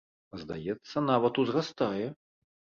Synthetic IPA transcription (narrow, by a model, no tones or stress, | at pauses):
zd̪a̰jɛt̪sːɐnavɐt̪uzrast̪ajɛ